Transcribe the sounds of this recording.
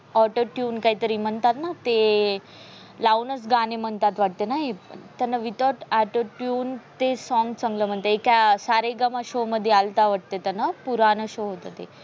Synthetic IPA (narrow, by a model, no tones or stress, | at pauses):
ɔʈoʈjuːnkaɦiːt̪əɾiːm̤əɳt̪at̪nat̪e | launət͡sɡanem̤əɳt̪at̪ʋaʈ̚t̪enaɦet̪janːaʋit̪ɔʈaʈoʈjuːnt̪esɔŋɡt͡səŋɡləm̤əɳt̪eekjasaɾeɡəmaɕoməd̪ʱːjealt̪aʋaʈ̚t̪et̪anːapuɾanəɕoɦot̪ət̪ḛ